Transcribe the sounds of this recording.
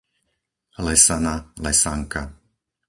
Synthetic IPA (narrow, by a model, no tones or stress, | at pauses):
lɛsanalɛsaŋka